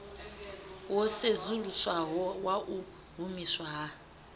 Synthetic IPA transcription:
wɔsezuluswaɦwaʔu | ɦumiswaɦa

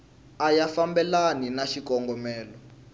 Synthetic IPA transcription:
ajafambɛlaninaʃikɔŋɡɔmɛːlɔ

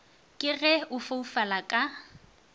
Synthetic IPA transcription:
kʼɪɣɛʊfaufalakʼa

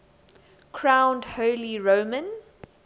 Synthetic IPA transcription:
kʰɹãʊ̃ndhoʊliɹoʊmə̃n

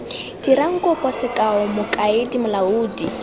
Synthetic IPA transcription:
diɾaŋ̩kʼɔpʼɔsɪkʼaɔmʊkʼaɪdimʊlauːdi

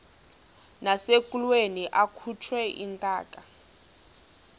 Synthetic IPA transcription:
nasekʼulweniʔakʰut͡ʃʰwɛʔḭntʼa̰ːkʼa

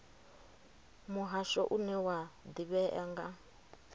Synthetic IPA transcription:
muɦaʃɔʔunɛwad̪iβɛʔɛŋɡa

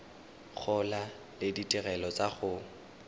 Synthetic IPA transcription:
χʰʊla | lɪditʼɪɣɛlɔt͡saχʊ

